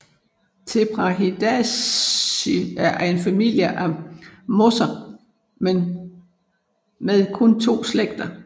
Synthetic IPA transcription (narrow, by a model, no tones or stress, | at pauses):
t͡sʰe̝b̥ʁɑɦid̥æ | iæe̝nfæmil̰jəʔæmɔsɐ | men | meðˠkʰɔ̽nt͡sʰo̝̰ːsleɡ̥̚d̥ɐ